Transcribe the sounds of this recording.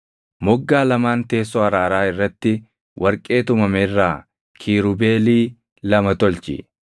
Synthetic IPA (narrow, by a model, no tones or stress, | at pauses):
mɔɡːaːlɐmaːnt̪e̞ːs̬ːɔɐɾaːɾaːɪrːɐt̪ːɪ | wʔɐɾkʼe̞ːt̪ʊmɐmɛrːaː | kʰiːɾʊbeːliː | lɐmɐt̪ɔlt͡ʃɪ̰